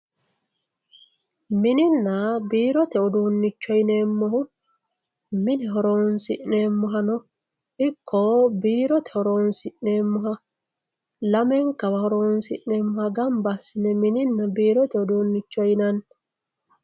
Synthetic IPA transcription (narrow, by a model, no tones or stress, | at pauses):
mɪnɪnːɐbiːɾɔt̪ɛɔd̪oːnːɪt͡ʃːɔjneːmːɔhʊ | mɪnɛɦɔɾoːnsɪʔneːmːʊɦɐnɔ | ɪkʰːɔbiːɾɔt̪ʰɛ̥hɔɾoːnsɪʔneːmːʊɦɐ | lɐmɛŋkɐwɐhɔɾoːnsɪʔneːmːɔhɐɡɐmbɐsɪnɛmɪnɪnːɐbiːɾɔt̪ɛɔd̪oːnːɪt͡ʃːɔjnɐn